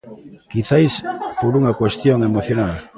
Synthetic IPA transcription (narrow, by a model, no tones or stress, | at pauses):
kiθajspoɾuŋakwest̪joŋemoθjonal